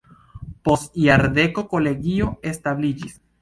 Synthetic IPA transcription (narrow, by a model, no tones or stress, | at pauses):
posiaɾd̪eko̞ko̞leɡio̞est̪aβlid͡ʒis